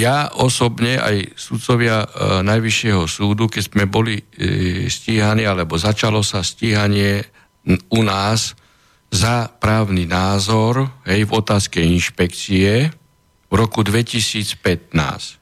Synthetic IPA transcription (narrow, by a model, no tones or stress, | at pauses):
jaʔɔsɔbɲɛʔa̰jsut̪t͡sɔʋɪanajʋiʃɪɛɦɔsuːd̪ukɛzmɛbɔli | sciːɦaniːalɛbɔzat͡ʃalɔsasciːɦaɲɪɛ | unaːz | zapɾaːʊninaːzɔɾɦɛjvɔt̪aːskɛinʃpɛkt͡siɛ | vɾɔkud̪ʋɛcisiːt͡spɛt̪̚na̰ːsc